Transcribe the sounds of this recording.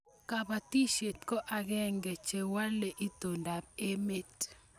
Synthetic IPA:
ka˨ba˨t̪i˦ʃe˨t̪kɔ˦ʔa˨ɡɛ˦ŋɡe˨t͡ʃe˨wa˦le˨ʔi˦t̪o˨nda˨p̚e˦me˦t

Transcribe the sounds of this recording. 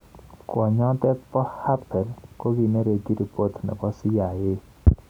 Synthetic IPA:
kwɔ˨ɲɔ˦t̪ɛ˦pɔ˦ha˦pɛ˨ɾko˦ɡi˨ne˦ɾe˨ɡi˦ɾi˨po˦t̪nɛ̰˨kɔ˦sɪ˦ja˨je˦

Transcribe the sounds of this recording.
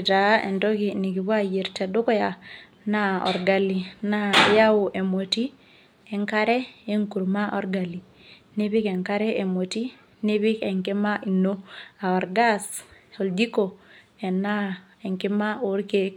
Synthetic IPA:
ta˨˦ɛ̰˨ndɔ˦ki˨ni˨ki˨bwa˦je˨ɾtɛ˨dʊ˦kɔ˦ja˨ | na˦ɔ̰˨ɾɡa˨li˨na˦ja˦o˨ʔe˨mo˨ti˦ | ɛ˨ŋka˦ɾɛ˦e˦ŋku˨ɾma˦ʔɔ˨ɾɡa˨li˨ | ne˦βɪ˦kɛ˨ŋka˦ɾɛ˦ʔe˨mo˨ti˦ | ni˦βɪ˦kɛ˨ŋkɪ˦ma˦ʔi˨no˦a˨ɔ˨ɾɡa˦s | ɔ˨ldi˦ko˨ | ɛ˨na˦ | ɛ˨ŋkɪ˦ma˦o˦ɾke˦k

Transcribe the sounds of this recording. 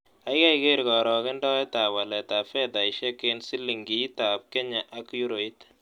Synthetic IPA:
a˨˦jka˦ike˦ɾkɔ˨ɾɔ˨kɪ˦ndɔ˦ɛ˦ta˨wa˨lɛ˨ta˨fɛ˦da˨i˨ʃɛ˦ke˦nsi˦lːi˨ŋɡi˨˦ta˨p̚kɛ˦ɲa˨ʔa˦kju˦ɾo˨i˦t

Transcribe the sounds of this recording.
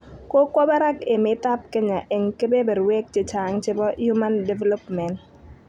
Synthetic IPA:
ko˦kwɔ˦bɛ˦ɾa˦ke˨mɪ˦ta˦p̚ke˦ɲa˨ʔɛ˨ŋke˦be˦be˨ɾwe˦k̚t͡ʃɪ˨t͡ʃa˨ŋt͡ʃɪ˦bɔ˦ju˦ma˦nde˨vɛ˦lɔ˦pmɛ˨n

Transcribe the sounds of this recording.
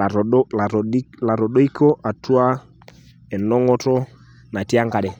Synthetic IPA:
ɔ˨˦la˨˦la˨ɾɔ˨ɗɔ˦i˦kɔ˦ʔa˨tu˦a˦ | ɛ˨nɔ˦ŋɔ˦tɔ˦ | na˨ti˦a˦ŋɡa˨ɗɛ˨

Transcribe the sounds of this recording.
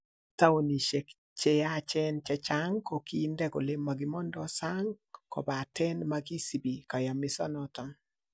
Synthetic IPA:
ta˦o˨ni˨ʃe˨k | t͡ʃe˦ja˦t͡ʃɛ˦nt͡ʃɛ˦t͡ʃa˦ŋko˨ki˦ndɛ˦ɡo˨le˦mːa˨ɡɪ˨mɔ˦ndɔsa˦ŋkɔ̰˨ba˨tɛ˦nma˦ɡi˦si˨bi˨ka˨ja˨mɪ˦sɔ˦nɔtɔ˨n

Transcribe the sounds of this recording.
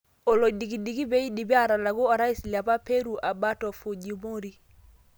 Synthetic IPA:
ɔ˨lo˨di˨ɡi˨di˨ɡi˦bɛ˦i˦di˨bi˦a˦˨ɾa˨la˨ɡu˦ɔ˨ɾa˦i˦sli˨a˨pa˦pe˦ɾu˨ʔa˨ba˦tɔ˨fo˨d͡ʒi˨mo˦ɾi˨

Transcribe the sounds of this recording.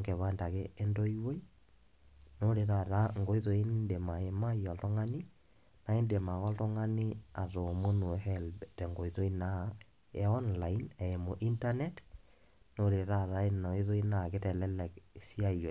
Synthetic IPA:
ŋɡe˨βa˦nda˨keːndo˦iwe˦i | no˦ɾe˨ɾa˨ɾa˦ŋɡo˦iðo˨˦i˦nde˨ma˨e˨ma˦iɔ˨ltɔ˦ŋa˦ni˦ | na˨e˦nde˨ma˨kɔ˦ltɔ˦ŋa˦ni˦a˨ɾo˨mo˦nu˨hɛlbɛtɛŋɡo˨iðo˦i˦na˦ | eɔ˦nlainɛ˨e˨mo˨ʔi˦nta˦nɛ˦t | no˦ɾe˨ɾa˨ɾa˦enɔ˨i˦ðo˦i˦na˨ke˦tɛ˨lɛ˦lɛ˨ksi˦a˦io˨

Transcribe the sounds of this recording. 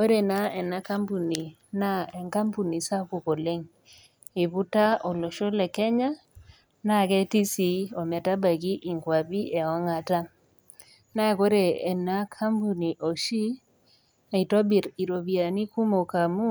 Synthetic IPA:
o˦ɾe˨na˦ɛ˨na˦ka˦mpu˨ni˨ | na˦ɛ˨ŋka˦mpu˨ni˨sa˦ku˨ko˨le˦ŋ | i˨βu˦ta˦ɔ˨lɔ˨ʃo˦lɛ˨kɛ˦ɲa˦ | na˦kɛ˦ti˦si˨˦o˨mɛ˨ta˦ba˨ɡi˦ʔi˨ŋkwa˨bi˦ʔɛ˨a˦ŋa˨ta˦ | na˦˨ko˦ɾɛː˨na˦kʰa˦mpu˨ni˨ʔo˨ʃi˦˨ | i˨to˦bi˨ɾi˨ɾo˨βi˨a˨ni˦ku˦mo˨ka˨mu˦

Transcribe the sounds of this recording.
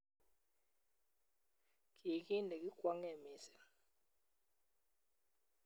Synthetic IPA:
k̬i˨k̬i˦ndɛ˨k̬i˦kwa˦ŋɛ˨mi˨sɛ̥˨

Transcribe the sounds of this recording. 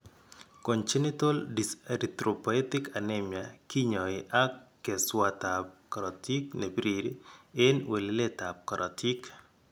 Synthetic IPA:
kɔ˨nt͡ʃe˦nɪ˦to˦ldisɾi˨t̪ɾo˨pɔ˨e˦tɪ˦ka˨nemja˨ki˦ɲɔ˨ɪʔa˦kːe˨swa˦ta˨p̚ka˨ɾɔ˨ti˦kne˨pɾi˨ɾiɪ˦nwe˨lle˦ta˨p̚ka˨ɾʔɔti˦k

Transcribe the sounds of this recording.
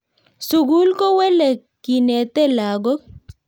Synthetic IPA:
su˨ɡu˦lkɔ˦wɛ˦lɛ˨ | ki˨nɛ˨t̪ɛ˦la˨ɡɔ˦

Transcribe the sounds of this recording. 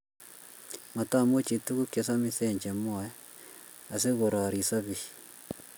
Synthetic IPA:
ma˨ta˦˨mo˦t͡ʃi˨tu˦ku˦ke˨s̬a˦miθe˦˨ɲd͡ʒe˨mo˦ɛ˦ | a˨s̬e˦ɣo˨ɾa˨ɾi˨sa˦βi

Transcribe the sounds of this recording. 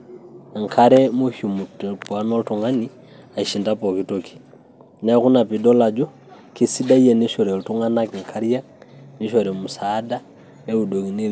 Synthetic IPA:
a˨ŋkʰaɾɛmu˦hu˨mu˨tɛpwanɔ˦ltuŋani | a˨iʃi˨ndapɔkitoki̥˨ | na˦ku˦na˨pidɔ˦lad͡ʒɔ˦ | kisi˦da˦i˦jɛ˨ni˦ʃɔ˨ɾɛ˨lu˨tu˦ŋanaki˨ŋkʰaɾija˦ | ni˦ʃɔɾɛ˨mu˨sada | nɛ˦u˨do˨ŋi˨ni˦l

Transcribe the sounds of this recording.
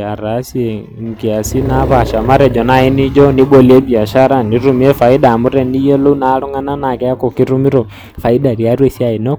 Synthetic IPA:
a˨ɾa˨˦si˦e˨ | ŋ̩˨ki˨a˨si˦na˦βa˨ʃa˨ma˦ɾɛ˨d͡ʒɔ˨na˦i˦nɪ˦d͡ʒɔ˦nɪ˦bo˨li˨e˦bi˨a˨ʃa˦ɾa˦ni˨˦ɾu˦mi˦ɛ˦fa˨ɪ˦da˨mʊ˦ɾɛ˦ni˦jo˦lo˦u˦na˦lu˦ŋa˦na˦na˨kɛ˦a˦ko˨kɪ˦ɾu˦mi˦ɾɔ˨ | fa˨i˦da˨ɾi˨a˦ɾwe˦si˦a˦˨i˨nɔ˦

